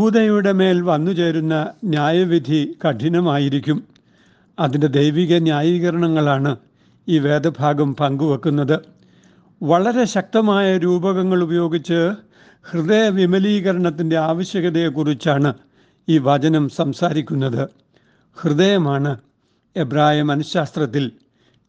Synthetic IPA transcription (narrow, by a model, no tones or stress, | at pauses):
buːd̪ɐjuɽe̞me̞ːlʋɐnːut͡ɕe̞ːɾunːɐnjaːjɐʋid̪ʱikɐʈʰinɐmaːjiɾikʲːum | ɐðinde̞d̪e̞jʋiɣɐnjaːjiːɣɐɾɐɳɐŋːɐɭaːɳɨ | iːʋe̞ːd̪ɐbʱaːɡɐmpɐŋɡuʋɐkːunːɐðɨ | ʋɐɭɐɾe̞ɕɐk̚t̪ɐmaːjɐɾuːbɐɣɐŋːɐɭubɐjo̞ːɡit͡ɕːɨ | hrɨðejɐʋimɐliːɣɐɾɐɳɐt̪ːinde̞aːʋɐɕjɐɣɐðɐjekurit͡ɕːaːɳɨ | iːʋɐd͡ʑɐnɐmsɐmsaːɾikʲːunːɐðɨ | hrɨðejɐmaːɳɨ | ebraːjimɐnɐsaːst̪rɐt̪ːil